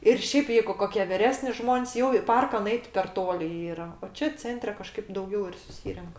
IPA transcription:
ɪr ˈʃʲeːp ˈjɛɪɡʊ ˈkoːkʲiɛ ʋʲɪˈrʲæːsʲnʲɪ ˈʒmoːnʲsʲ jɛʊ ɪ ˈpɐrkɐ nʊˈɛɪt pʲɛr ˈtoːlʲɪ ˈiːrɐ oː ˈt͡ʃʲɛ ˈt͡sʲɛnʲtʲrʲɛ kɐˈʃkɐɪp dɐʊˈɡʲɛʊ ɪr sʊˈsʲiːrʲɛŋk

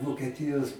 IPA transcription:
ʋoːkʲiɛˈtʲɪjoːs

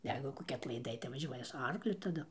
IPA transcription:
ˈjɛɪɡʊ koːˈkʲɪ ɐtlˠɐɪˈdɐɪ tɐɪ ʋɐˈʒʲuɔjɛ sʊ ˈɐrklʲʊ tɐˈdʊ

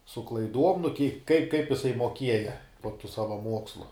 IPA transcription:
sʊ klˠɐɪˈduɔm nʊ kʲiɛ kɐɪp kɐɪp jɪˈsɐɪ moːˈkʲiɛjɛ poː tuː ˈsɑːʋɐ ˈmuɔkslˠʊ

